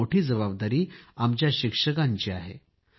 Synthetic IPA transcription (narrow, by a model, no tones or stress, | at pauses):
oʈʰiːd͡zəβabd̪aɾiːamt͡ɕjaɕikʂəkãɲt͡ɕiːa̰ɦḛ